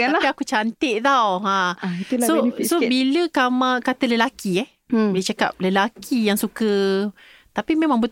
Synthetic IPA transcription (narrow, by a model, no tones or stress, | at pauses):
apiakut͡ʃant̪ɪʔ̚d̪awãisosobiləkamãkat̪ələlakiɛh | bəlit͡ʃaka̰p̚ləlakʰijaŋsukə | t̪apimẽmãŋbə